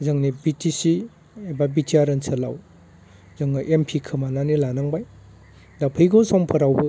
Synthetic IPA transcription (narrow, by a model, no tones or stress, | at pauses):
zɐŋnibitʰisi | ababitʰiaɾɐnsʰɐla̰w | zɐŋɐʔempʰikʰɯmananilanaŋbaj | dapʰɯjɡosɔmpʰɐɾawbɯ